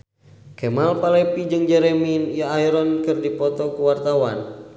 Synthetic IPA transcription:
kɛmalpalɛpid͡ʒɨŋd͡ʒɛɾɛminijaːjɾɔnkɨrdipɔt̪ɔkuwart̪awan

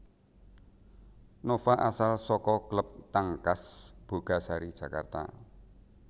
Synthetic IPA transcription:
nofaʔasalsɔkɔkələp̚t̪aŋkasb̥o̤ɡ̥a̤saɾid̥ʒ̥ä̤ka̰rt̪a̰

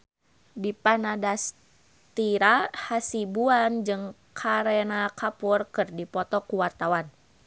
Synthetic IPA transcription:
dipanadas | t̪iɾahasibuand͡ʒɨŋ | kʰaɾɛnakʰapurkɨrdipɔt̪ɔkuwart̪awan

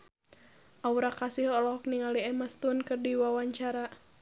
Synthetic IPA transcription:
ʔauɾakasilɔlɔɦɔk̚niŋaliɛmast̪unkɨrdiwawaɲt͡ʃaɾa

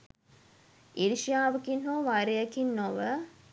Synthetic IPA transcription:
iɾiʃijaːʋəkinɦoʋaɾejəkinːoʋə

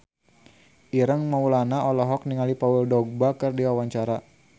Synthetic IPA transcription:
ʔiɾəŋmaulanaʔɔlɔɦɔk̚niŋalipawuldɔɡ̚bakɨrdiwawaɲt͡ʃaɾa

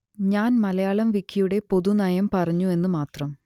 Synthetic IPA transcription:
ɲaːnmɐlɐjaːɭɐmʋikʰːijuɽe̞po̞ðunɐjɐmpɐrɐɲːue̞nːɨmaːt̪rɐm

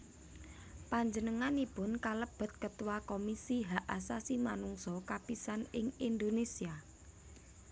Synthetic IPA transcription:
paɲd͡ʒənəŋanipʊnkaləb̥ə̤t̪̚kət̪uwakomisiɦaʔasasimanuŋsɔkapisanɪŋind̪onesia

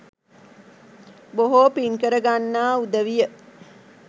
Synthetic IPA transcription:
boɦoːpiŋkəɾəɡanːaːud̪əʋijə

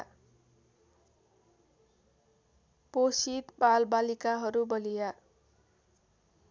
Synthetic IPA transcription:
posit̪balbalikaɦʌɾubʌlija

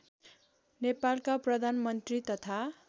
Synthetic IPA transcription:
nepalkaprʌd̪ʱanmʌnt̪rit̪ʌt̪ʰa

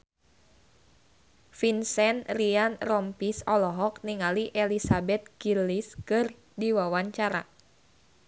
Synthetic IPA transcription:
finsɛnrianrɔmpisɔlɔɦɔk̚niŋaliʔelisabɛt̪̚ɡiliskɨr | diwawaɲt͡ʃaɾa̰

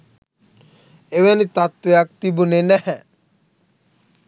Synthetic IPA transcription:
eʋɛnit̪at̪wejak̚t̪ibunenɛhɛ

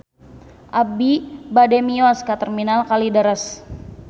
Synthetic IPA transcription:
ʔabibademiɔskat̪ərminalkalidəɾəs

